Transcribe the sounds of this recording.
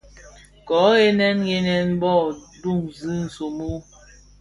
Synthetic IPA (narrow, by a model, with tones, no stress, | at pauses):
kɔ˨˦e˦nɛ˦nje˦nɛ˦nbɔ˦˨du˦˨ŋzɨ˦n̩˨so˨mu˦